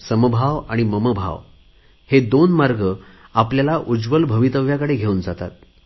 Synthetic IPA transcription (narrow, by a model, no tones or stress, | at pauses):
səməbʱaʋaɽ̃iməməbʱa̰ʋ | hed̪onmaɾɡə | apljalaʔud͡zʋəlbʱəʋit̪əʋjakəɽeɡʱeuːnd͡zat̪a̰t̪̚